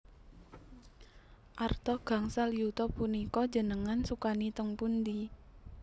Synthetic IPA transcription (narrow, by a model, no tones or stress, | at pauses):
ʔart̪ɔɡ̥a̤ŋsaljut̪ɔpːunikɔ̥d͡ʒə̤nəŋansukanit̪əŋpund̪i